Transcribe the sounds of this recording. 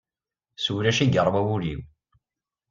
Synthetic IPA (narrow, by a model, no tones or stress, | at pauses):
suwɾæʃiɡəɾˤwæwuɾḭw